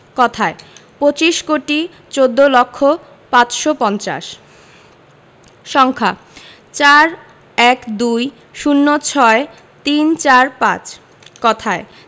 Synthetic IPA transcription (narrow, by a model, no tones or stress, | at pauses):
kɔt̪ʰaepot͡ɕiʃkoʈi | t͡ɕod̪ːolokʰːo | pãt͡ɕʃopɔnt͡ɕa̰ʃ | ʃɔŋkʰa | t͡ɕaɾ | ɛkd̪uj | ʃunːot͡ɕʰɔe | t̪int͡ɕaɾpã̰t͡ɕ | kɔt̪ʰae